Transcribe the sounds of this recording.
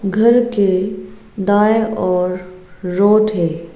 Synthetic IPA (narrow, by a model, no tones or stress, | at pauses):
ɡʱɐɾke | d̪aːeʔɔːɾːoːʈɦɛː